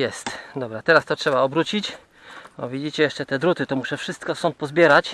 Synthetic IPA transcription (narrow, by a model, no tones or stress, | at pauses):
jɛst̪d̪ɔbɾat̪ɛɾast̪ɔtʂɛbaɔbɾut͡ɕit͡ɕ | bɔvʲid͡ʑit͡ɕɛjɛʂt͡ʂɛt̪ɛd̪ɾut̪ɘt̪ɔmuʂɛfʂɘst̪̚kɔsɔ̃nt̪̚pɔzbʲjɛɾat͡ɕ